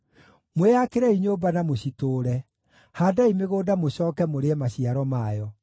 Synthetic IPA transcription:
mweakeɾɛiɲoːbanamoɕitoːɾɛ | haːdaimeɣoːdamoɕɔːkɛmoɾeɛmaɕiaɾɔmajɔ

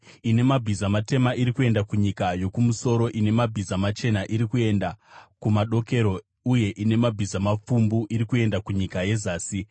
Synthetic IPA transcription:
ine̞mabʱizamate̞maiɾikue̞ndakuɲikajo̞kumuso̞ɾo̞ʔine̞mabʱizamat͡ʃe̞naʔiɾikue̞ndakumaɗo̞ke̞ɾo̞ | uje̞ʔine̞mabʱizamafumbuʔiɾikue̞ndakuɲikaje̞zaːsi

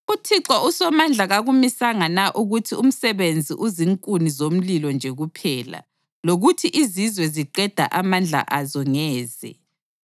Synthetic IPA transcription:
utʰiǁausɔmand͡ɮʱaɣaɣumisaŋanaʔuɣutʰium̩sɛβend͡zʱḭʔuziŋkʼunizom̩lilɔnd͡ʒʱeɣupʰɛːla̰ | loɣutʰiʔizizwɛziǃɛd̥ʱa̰ʔamand͡ɮʱa̰ʔazɔŋɛːzɛ̰

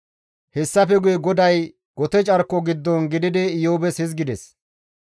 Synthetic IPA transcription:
hɛsːɐfɛɡʊjɛɡɔd̪ɐj | ɡ̥ɔt̪ɛt͡ʃʼɐɾkːɔɡɪd̪ːɔnɡɪd̪ɪd̪ɛɪjoːbɛshɪz̬ɡɪd̪ɛs

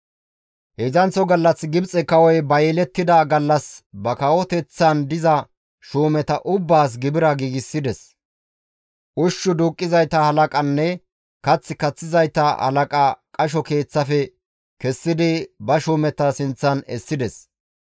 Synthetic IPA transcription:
hɛzɐnt͡sːɔɡɐlːɐsɡɪbt͡sʼɛkɐwɔjbɐjɛlɛt̪ːɪd̪ɐɡɐlːɐsbɐkɐwɔt̪ɛt͡sːɐnd̪ɪzɐ | ʃuːmɛt̪ɐʔʊbːaːs̬ɡɪbɪɾɐɡiːɡɪsːɪd̪ɛs | ʔʊʃːʊd̪uːkʼːɪzɐjt̪ɐhɐlɐkʼɐnːɛ | kɐt͡sːɪkɐt͡sːɪzɐjt̪ɐhɐ̰lɐkʼɐkʼɐʃ̬ɔke̞ːt͡sːɐfɛ | kɛsːɪd̪ɪbɐʃuːmɛt̪ɐsɪnt͡sːɐnɛ̰sːɪd̪ɛs

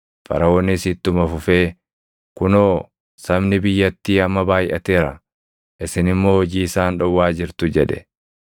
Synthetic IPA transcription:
fɐ̰ɾɐwɔːnːɪsɪt̪ːʊmɐfʊfeː | kʊnoː | sɐbnɪbɪjːɐt̪ːiːɐmːɐbaːjʔɐ̰t̪eːɾɐ | ʔɪsɪnɪmːo̞ːhɔd͡ʒiːɪsaːnᶑɔwːaːd͡ʒɪɾt̪ʊd͡ʒɛᶑɛ̥̰

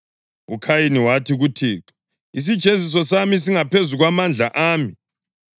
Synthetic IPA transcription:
ukʰajiniwatʰiɣutʰiːǁɛ̥ | is̬id̥ʒ̥ʱezis̬ɔsamis̬iŋapʰezuɣwamand͡ɮʱaʔaːmi

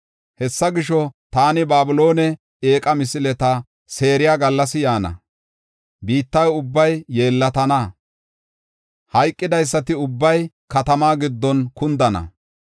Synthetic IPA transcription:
hɛsːɐɡɪʃɔt̪aːnɪbaːbʊlo̞ːnɛ | eːkʼɐmɪsɪlɛt̪ɐ | se̞ːɾɪjaːɡɐlːɐsɪjaːnɐ̰ | biːt̪ːɐjʊbːɐjːe̞ːlːɐt̪ɐnɐ | hɐjkʼːɪd̪ɐjs̬ːɐt̪ɪʊbːɐj | kɐt̪ɐmaːɡɪd̪ːɔnkʊnd̪ɐnɐ̰

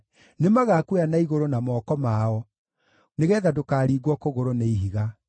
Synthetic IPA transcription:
nemaɣaːkweanaiɣoɾonamɔːkɔmaɔ | neɣɛːðadokaːɾiːɡwɔkoɣoɾoneiɦiɣa

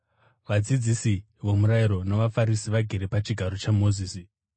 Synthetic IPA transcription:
ʋad͡zid͡zisi | ʋo̞muɾajiɾo̞naʋafaɾisiʋaɡʱe̞ɾepat͡ʃiɡʱaɾo̞t͡ʃamo̞ziːsi

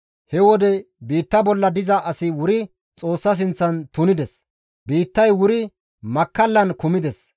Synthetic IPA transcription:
hɛwɔd̪ɛ | biːt̪ːɐbɔlːɐd̪ɪzɐʔɐsɪwʊɾɪ | t͡sʼo̞ːsːɐs̬ɪnt͡sːɐnt̪ʊnɪd̪ɛs | biːt̪ːɐjwʊɾɪ | mɐkːɐlːɐnkʊmɪd̪ɛs

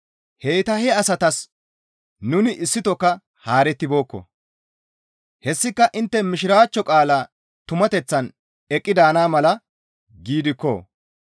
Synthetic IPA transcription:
hejt̪ɐhɛɐsɐt̪ɐs | nʊnɪʔɪsːɪt̪ɔkːɐ | haːɾɛt̪ːɪbo̞ːkːɔ̰ | hɛsːɪkːɐʔɪnt̪ːɛmɪʃɪɾaːt͡ʃːɔkʼaːlaː | t̪ʊmɐt̪ɛt͡sːɐn | ɛkʼːɪd̪aːnaːmɐlɐ | ɡiːd̪ɪkːo̰

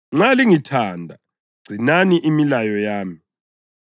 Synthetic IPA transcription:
ŋ͡ǁaliŋitʰaːndʱa | ɡ͡ǀ̥ʱinaniʔimilajɔjaːmi

